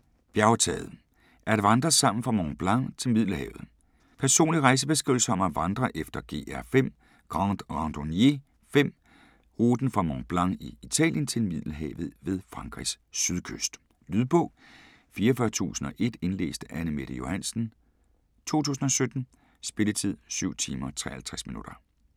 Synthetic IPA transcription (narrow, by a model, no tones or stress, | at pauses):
b̥jæʊt͡sʰɛ̰ːð̞̩ˠ | ʔæɐd̥eʋɑ̈nd̥ʁɐsɑ̈m̰n̩fʁɑ̈mɒŋb̥lɑ̈ŋ̰t͡sʰe̝lmið̰ˠləhɛ̰ːʊð̩ˠ | pʰæɐso̝̰ːnliʁɑ̈ɪs̬əb̥e̝s̬ɡ̥ʁḭʊl̩səɒ̽mæʋɑ̈nd̥ʁɐʔefd̥ɐɡ̥e̝̰ːʔæɐfem̰ | ɡ̥ʁɑːd̥ʁɑnd̥onje̝ | fem̰ | ʁuːd̥n̩fʁɑ̈mɒŋb̥lɑ̈ŋiit͡sʰɛ̰ːljənt͡sʰe̝lmið̰ˠləɦɛ̰ːʊʋð̞̩ˠʋe̝ðˠfʁɑ̈ŋɡ̥ʁḭsː | yð̞ˠkʰøsd̥ | lyːðˠb̥ʰɔ̽ | fiːɐɒfɶːɐt͡sʰṵːsn̩ɒ̽ʔe̝d̥e̝nlḛːsd̥əʔænəme̝ɾ̥əjo̝hæn̰sn̩ | t͡sʰo̝̰ːt͡sʰṵːsn̩ɒ̽sød̥n̩ | sb̥e̝lət͡sʰið̞̰ˠsyʊ̰t͡sʰiːmɐt͡sʰʁɛ̰ɐhælt͡sʰʁɛsminud̥ɐ